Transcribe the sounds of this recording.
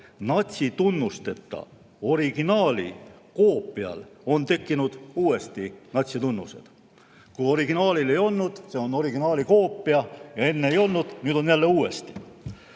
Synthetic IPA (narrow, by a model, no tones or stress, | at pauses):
nɑt̪ʲsit̪unːust̪e̞t̪ːɑ̰ | o̞ɾiɡ̥inɑːlḭko̞ːpːˑiɑ̰lo̞nt̪e̞kːinud̪̥uːe̞st̪inɑt̪ʲsit̪unːuse̞̰d̪̥ | kujo̞ɾiɡ̥inɑːlile̞jo̞lnud̪̥se̞ono̞ɾiɡinɑːliko̞ːpːˑiɑjɑe̞nːeejo̞lnud̪̥nyːd̪̥o̞njælːe̞uːe̞st̪i̥